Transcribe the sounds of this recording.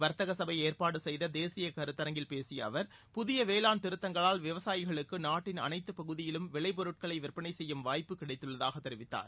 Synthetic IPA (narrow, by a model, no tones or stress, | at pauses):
ʋɐɾt̪ɐɣɐsɐbɐjeːrpaːɽɯsɛjðɐd̪eːsɪjɐkɐɾɯt̪ːɐɾɐŋɡɪlpeːsɪjɐ̰ːʋɐɾpʊðɪjɐʋeːlaːnt̪ɪɾɯt̪ːɐŋɡɐɭaːlʋɪʋɐsaːjɪɣɐɭɯkːɯnaːʈːɪnɐ̰nɐɪt̪ːɯpɐɣɯðɪjɪlɯmʋɪɭɐɪp̬ɔɾɯʈ̚kɐɭɐɪʋɪrpːɐnɐɪsɛjːɯmʋaːjpːɯkːɪɽɐɪt̪ːɯɭːɐðaːɣɐt̪ːɛɾɪʋɪt̪ːa̰ːɾ